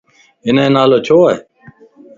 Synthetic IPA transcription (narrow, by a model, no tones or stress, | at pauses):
ɪnẽːnaːloːt͡ɕʰoːe